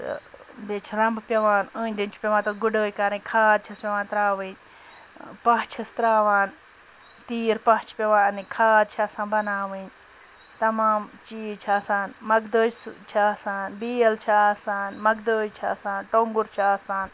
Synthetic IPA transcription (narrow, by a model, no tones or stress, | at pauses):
bet͡ʃʰɾɐmbpʲɐʋaːnəːnʲd̪int͡ʃʰpʲɐʋãːt̪ɐɡuɖoːjkaɾɨ̃kʰaːd̪̚t͡ʃʰɐspʲɐʋaːnt̪ɾaːʋɨɲ | pɐɦt͡ʃʰɐst̪ɾaːʋaːn | t̪iːɾpɐɦt͡ʃʰpʲɐʋaːnɨkʰaːd̪̚t͡ʃʰaːsãːnbɐnaːʋɨɲ | t̪ɐmaːmt͡ʃiːt͡ʃʰaːsaːnmɐɡd̪oːst͡ʃʰaːsaːnbiːɐlt͡ʃʰasaːnmɐɡd̪oːjt͡ʃʰaːsaːnʈoŋɡuɾt͡ʃʰaːsaːn